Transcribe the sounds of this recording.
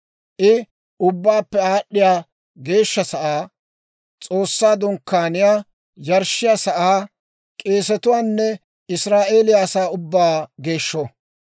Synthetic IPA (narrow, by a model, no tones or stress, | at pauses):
ʔɪ | ʊbːaːpːɛaːɗːɪjaː | ɡe̞ːʃːɐsɐʔaː | t͡sʼo̞ːsːaːd̪ʊŋkːaːnɪjaː | jɐɾʃɪjaːsɐʔaː | kʼeːsɛt̪ʊwaːnːɛ | ɪsɾaːʔe̞ːlɪjaːsaːʊbːaːɡe̞ːʃːɔ